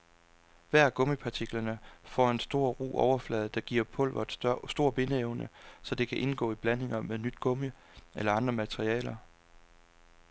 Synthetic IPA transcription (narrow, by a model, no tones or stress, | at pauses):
ʋæɐ̰ɡ̥ɔ̽mipʰɑ̈t͡sʰiɡ̥lɐnəfɒ̰e̝nsd̥o̝ːɐ̰ʁṵːɒʊɐflɛːð̩ˠd̥ɑ̈ɡ̥iɐ̰pʰɔ̽l̰ʋɐd̥sd̥o̝ɐ̰b̥e̝nəeʊnəsɒ̽d̥e̝kʰæʔe̝nɡ̥ɔ̰̽ːib̥læne̝ŋɐmeðnyd̥̚ɡ̥ɔ̽mə | elɐɑ̈nd̥ʁɐmæt͡sʰʁiɛ̰ːlɐ